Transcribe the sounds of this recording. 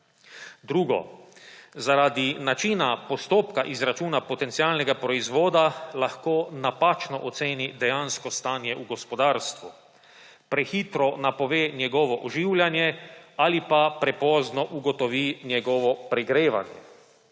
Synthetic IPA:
d̪ɾuːɡɔ̰ | zaɾaːd̪inat͡ʃinapɔst̪oːpkaʔizɾat͡ʃuːnapɔt̪ɛnt̪sialnɛɡapɾɔizʋoːd̪alaxkoːnapat͡ʃnɔʔɔt̪seːnid̪ɛjanskɔst̪aːnjɛʔuɡɔspɔd̪aːɾst̪ʋu | pɾɛxiːt̪ɾɔnapɔʋeːnjɛɡɔʋɔʔɔʒiːwljanjɛalipapɾɛpɔːznɔʔuɡɔt̪ɔʋinjɛɡɔːʋɔpɾɛɡɾeːʋa̰njɛ̰

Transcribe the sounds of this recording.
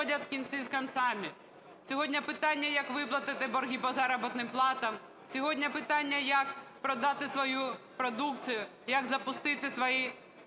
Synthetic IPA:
ɔdʲɐt̪kʲint̪t͡sʲizkɐnt̪sɑmʲi | sʲɔɦɔdʲnʲɐpɪt̪ɑnʲːɐjɐkʋɪplˠɐt̪ɪt̪ɪbɔrɦʲipɔzɑɾɔbɪt̪nɪmplˠɑt̪ɐm | sʲɔɦɔdʲnʲɐpɪt̪ɑnʲːɐjɐkpɾɔd̪ɑt̪ɪsʋɔju | pɾɔd̪ukt͡sʲijʊ | jɐɡzɐpʊst̪ɪt̪ɪsʋɔji

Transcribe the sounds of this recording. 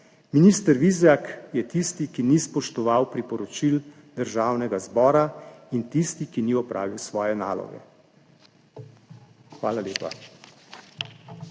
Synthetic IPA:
minist̪əɾʋizjakjɛt̪ist̪ikinispɔʃt̪ɔʋawpɾipɔɾɔt͡ʃil | d̪əɾʒaːwnɛɡazbɔːɾaint̪ist̪ikiniɔpɾa̰ːʋiwsʋɔːjɛna̰ːlɔ̰ɡɛ̰ | xʋaːlaleːpa̰

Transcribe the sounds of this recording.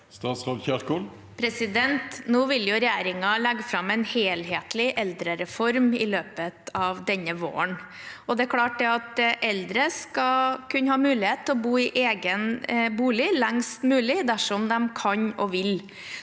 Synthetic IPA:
st̪ɑːt̪sʁɑːd̪çæɾkoːl | pʰɾɛsɪd̪ɛnt̪nuːʋɪljʊɾɛjeːɾɪŋɑlæɡːfɾɑmːɛɪnheːlɦeːt̪lɪʔɛld̪ɾəɾɛfɔɾmɪløːpət̪ɑʋd̪ɛnːəʋo̰ːəɳ | ɔd̪ɛkʰlɑːʈ̚d̪ɛɑt̪ʔɛld̪ɾəskɑkʰʉnːəhɑːmʉːlɪheːt̪ʰːɔbuːɪʔeːɡənbuːlɪlæŋst̪mʉːlɪd̪æʂɔmd̪ɛmkʰɑɲɔʋɪl

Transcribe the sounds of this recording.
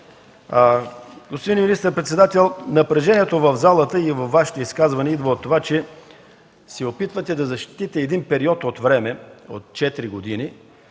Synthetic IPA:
ɡospod̪iniminist̪əɾpɾɛt̪sɛd̪at̪ɛlˠnɐpɾɛʒɛniɛt̪ovəvzalˠət̪əivɐfːaʃi̥t̪oiskazvɐnɛid̪vəot̪ːovat͡ʃɛ | sɛopit̪vət̪ɛd̪ɐzɐʃt̪i̥t̪it̪ɛɛd̪inpɛɾiɔt̪ot̪vɾɛmɛo̰t̪t͡ʃɛt̪iɾiɡod̪ini

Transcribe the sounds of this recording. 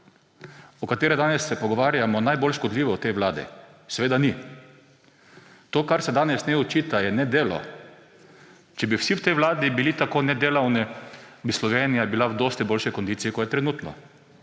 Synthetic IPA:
ɔkat̪eːɾɛd̪aːnɛsːɛpɔɡɔʋaːɾjamɔnajbolʃkɔd̪liːʋɔɔt̪ɛjʋlaːd̪ɛ̰sɛʋeːd̪ani | t̪oːkaɾsɛd̪aːnɛsnɛɔt͡ʃiːt̪ajɛnɛd̪eːlɔ̰ | t͡ʃɛbiwsiwt̪ɛjʋlaːd̪ibilit̪akoːnɛd̪eːlawnɛbislɔʋeːnijabilawd̪oːst̪ɛboːlʃijkɔnd̪iːtsiːkɔjɛt̪ɾɛnuːt̪nɔ̰

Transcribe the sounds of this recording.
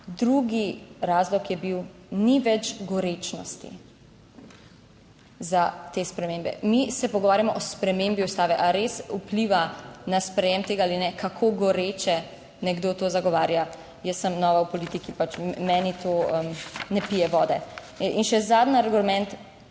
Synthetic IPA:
d̪ɾuɡiɾaːzlɔkjɛbiwniʋɛd͡ʒɡɔɾet͡ʃnɔst̪ḭ | zat̪eːspɾɛmẽːmbɛ̰misɛpɔɡɔʋaːɾjamɔʔɔspɾɛmembiust̪aːʋɛʔaɾesupliʋanaspɾɛjɛmt̪eːɡaaːlinɛkakʰoɡɔɾet͡ʃɛ | nɛɡd̪oːt̪oːzaɡɔʋaːɾja | jəsːəmnɔːʋawpɔliːt̪ikipat͡ʃmɛːnit̪oəmnɛpijɛʋɔːd̪ɛ | inʃɛzad̪naɾɡulmɛ̃nt̪

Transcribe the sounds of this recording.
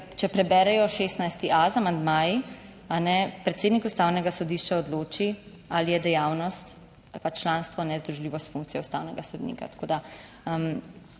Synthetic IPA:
t͡ʃɛpɾɛbɛɾɛjɔʃest̪najst̪iʔazamand̪maːji | anɛpɾɛt̪seːd̪nikust̪awnɛɡasɔd̪iːʃt͡ʃaɔd̪loːt͡ʃi | alijɛd̪ɛjaːwnɔst̪ | alpat͡ʃlaːnst̪ʋɔnɛzd̪ɾuʒliːʋɔst̪fuŋkt̪siɛust̪awnɛɡasɔd̪nḭka̰t̪ḁkoːd̪a | m

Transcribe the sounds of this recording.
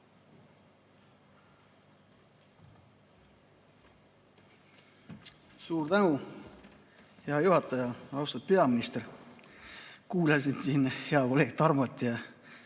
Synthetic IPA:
suːɾd̪ænu | he̞ɑjuhɑt̪ːˑɑjɑɑwst̪ɑd̥̪̚pe̞ɑminist̪eɾ | kuːlɑsinsiːnheɑkoleːk̚t̪ɑrmɑt̪ːˑjɑ

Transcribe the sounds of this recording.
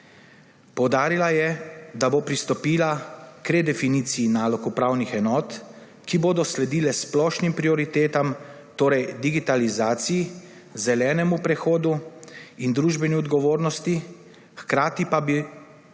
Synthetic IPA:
pɔwd̪aːɾilajɛd̪abopɾist̪ɔpiːlakɾɛd̪ɛfiniːt̪sijinaːlɔkupɾaːwnixɛnɔːt̪ | kiboːd̪ɔslɛd̪iːlɛsplɔːʃnimpɾiɔɾit̪eːt̪am | t̪oːɾɛjd̪iɡit̪alizaːt̪siji | zɛlɛːnɛmupɾɛxoːd̪uind̪ɾuːʒbɛniɔd̪ɡɔʋoːɾnɔst̪i | xkɾaːt̪ipabi

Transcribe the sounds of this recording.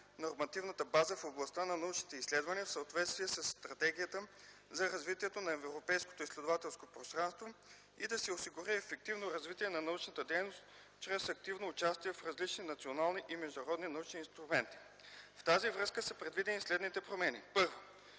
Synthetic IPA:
noɾmɐt̪ivnət̪əbazəfoblˠɐst̪anɐnɐut͡ʃnit̪ɛislɛd̪vɐniəfsəot̪vɛt̪st̪viɛsɐsːt̪ɾɐt̪ɛɡ̟ijət̪ə | zɐɾɐzvit̪iɛt̪onɐɛvvɾopɛjsko̥t̪oislɛd̪ovat̪ɛlˠskopɾost̪ɾanst̪vo | id̪ɐsɛosiɡʊɾiɛfɛk̚t̪ivnoɾɐzvit̪iɛnɐnɐut͡ʃnət̪əd̪ɛjnost̪ | t͡ʃɾɛsɐk̚t̪ivnoːt͡ʃast̪iɛfɾɐzlit͡ʃninɐt̪sionalˠniʔimɛʒd̪nɐɾɔd̪ninɐut͡ʃniːnst̪ɾʊmɛnt̪i̥ | ft̪azivɾɤskəsɐpɾɛd̪vid̪ɛnislɛd̪nit̪ɛpɾomɛnḭpɤɾvo

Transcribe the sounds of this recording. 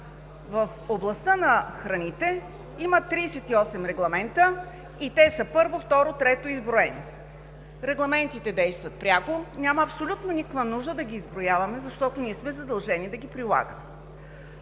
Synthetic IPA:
vəfoblˠɐst̪ənɐxɾɐnit̪ɛ | imət̪ːɾiːsɛt̪iɔsɛmɾɛɡlˠɐmɛnt̪ə | it̪ɛsəpɤɾvoft̪ɔɾot̪ɾɛt̪oizbɾoɛnḭ | ɾɛɡlˠɐmɛnt̪it̪ɛd̪ɛjst̪vɐt̪̚pɾʲaɡonʲamɐɐpsolʲut̪nonikəkvɐnuʒd̪əd̪ɐɡʲiːzbɾojavɐmɛzɐʃt̪ɔt̪oniɛsmɛzɐd̪ɐlˠʒɛnid̪ɐɡʲipɾilˠa̰ɡə̰mɛ

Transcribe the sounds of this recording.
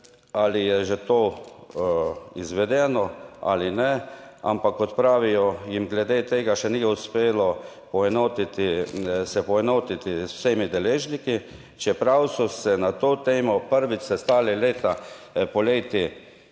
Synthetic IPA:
alijɛʒɛt̪oː | izʋɛd̪ɛnɔa̰linɛa̰mpakːɔt̪pɾaːʋijɔjimɡlɛd̪eːt̪eːɡaʃɛniːjɛuspeːlɔ | pɔɛnoːt̪it̪isɛpɔɛnoːt̪it̪isw̥semid̪ɛleːʒniki | t͡ʃɛpɾawsɔsɛnat̪oːt̪eːmɔpəɾʋiɛst̪aːlileːt̪apɔleːt̪i

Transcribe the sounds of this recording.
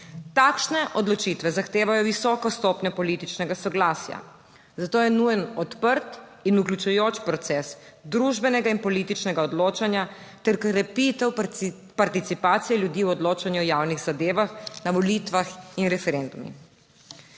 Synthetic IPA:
t̪aːkʃnɛʔɔd̪lɔt͡ʃit̪ʋɛzaxt̪eːʋajɔʋisɔkɔst̪ɔːpɲapɔlit̪it͡ʃnɛɡasɔɡlaːsja̰ | zat̪oːjɛnujɛnɔt̪pəɾt̪ | inuklʲut͡ʃujoːt͡ʃpɾɔt̪sɛs | d̪ɾuʒbɛnɛɡainpɔliːt̪it͡ʃnɛɡaɔd̪loːt͡ʃanja | t̪ɛɾkɾɛpit̪ɛw | paɾt̪it̪sipaːt̪sijɛljud̪iːwɔd̪loːt͡ʃanjuɔjawniɣzad̪eːʋaxnaʋɔlit̪ʋaxinɾɛfɛɾɛnd̪umḭ

